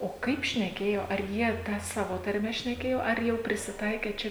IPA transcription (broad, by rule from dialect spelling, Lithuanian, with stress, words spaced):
oː ˈkɐɪp ʃʲnʲɛˈkʲeːjoː ɐr ˈjiɛ ˈtɑː ˈsɑːʋoː tɐrʲˈmʲɛ ʃʲnʲɛˈkʲeːjoː ɐr ˈjɛʊ pʲrʲɪsʲɪˈtɐɪkʲeː ˈt͡ʃʲɛ